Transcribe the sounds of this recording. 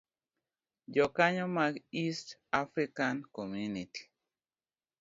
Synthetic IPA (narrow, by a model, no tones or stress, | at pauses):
d͡ʒɔkaɲɔmaɡistafɾikankomjuniti̥